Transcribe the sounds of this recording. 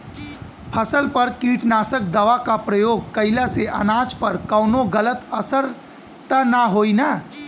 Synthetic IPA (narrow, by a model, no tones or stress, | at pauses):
pʰəsəlpəɾkiːʈnaːsək̚d̪əʋakapɾəjoːɡ̚kəɪlaseʔə̰naːd͡ʒpəɾkəʊnoɡələt̪əsəɾ | t̪ənaɦoːina